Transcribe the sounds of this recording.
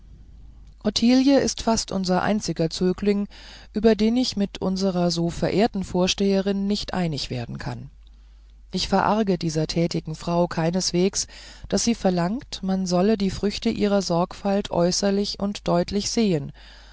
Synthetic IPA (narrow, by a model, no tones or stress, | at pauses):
ʔɔtʰiːljəʔɪ̰stfastʔʊ̰nzɐʔa̰ɪnt͡sɪɡɐt͡søːklɪŋ | ʔyːbɐdeːnɪçmɪtʰʔʊ̰nzəʁɐzoːfɛɐʔeːɐtn̩foːɐʃteːəʁ̞ɪnːɪçtʔa̰ɪnɪçv̥ḛːɐdn̩kʰa̰n | ʔɪçfɛɐʔaɐɡədiːzɐtʰɛːtɪɡŋ̩fʁ̥aʊkʰaɪnəsv̥eːksd̥asz̥iːfɛɐlaŋktmanzɔlədiːfʁ̥ʏçtəʔiːʁ̞ɐzɔɐkfaltʰʔɔ̰ʏsɐlɪçʊntd̥ɔʏtʰlɪçz̥eːən